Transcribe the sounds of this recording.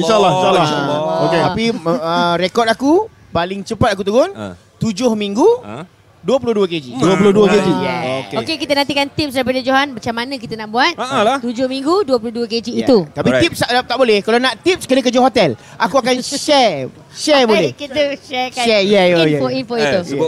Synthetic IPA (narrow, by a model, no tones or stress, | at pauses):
ʃalaloket̪apiəɾekɔt̪̚aku | balɪŋt͡ʃəpat̪̚ak̬ut̪uɡʊn | t̪ud͡ʒʊhmiŋɡu | duəp̬ulʊduəked͡ʒiduəp̬ulʊduəked͡ʒiokokekit̪ənant̪̬ikant̪ip̚sdaɾip̬adəd͡ʒoɦanmat͡ʃamːanə̃k̬it̪ənaʔbuat̪̚aalaht̪ud͡ʒʊhmĩŋɡuduəpulʊhduəked͡ʒiːt̪ut̪apit̪ip̚sat̪aʔbolɛhkalanaʔt̪ip̚skənə̃kəd͡ʒoɦot̪ɛl | akuakanʃɛ | ʃɛbolɛiuʃɛʃɛjɛɛfoinfoit̪u